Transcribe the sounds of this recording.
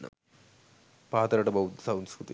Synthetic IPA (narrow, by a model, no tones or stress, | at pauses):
ɐ̰ | paːt̪ɐɾɐʈɐbɐwd̪sɐwnskɾut̪ḭ